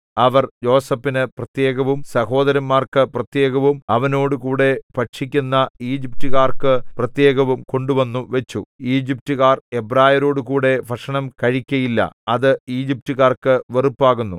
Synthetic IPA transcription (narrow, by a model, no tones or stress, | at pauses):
ɐʋɐrjo̞ːsɐpːinɨprɐt̪je̞ːɣɐʋumsɐho̞ːd̪ɐɾɐmːaːrkɨprɐt̪je̞ːɣɐʋumɐʋɐno̞ːɽukuːɽe̞pɐʈʂik̬ʲːunːɐiːd͡ʑip̚tuɣaːrkɨprɐt̪je̞ːɣɐʋumko̞ɳɖuʋɐnːuʋet͡ɕːuiːd͡ʑip̚tuɣaːrebraːjɐɾo̞ːɽukuːɽe̞ʋɐʂɐɳɐmkɐɻikʲːɐjilːɐ̰ɐðɨiːd͡ʑip̚tuɣaːrkɨʋerupːaːɣunːu